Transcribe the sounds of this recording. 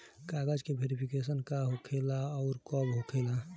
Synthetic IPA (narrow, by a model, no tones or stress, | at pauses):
kaɡəd͡ʒkebʱeɾipʰikesənkaɦokʰelaɔʊɾkɔbɦokʰela